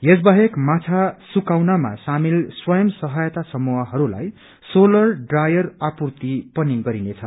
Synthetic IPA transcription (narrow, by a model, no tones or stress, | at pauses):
jesbaɦekmat͡sʰasukawnama̰samilswʌjʌmsʌɦʌjt̪asʌmuɦʌɦʌɾula̰j | solʌrɖrajʌrapurt̪ipʌniɡʌɾinet͡sʰʌ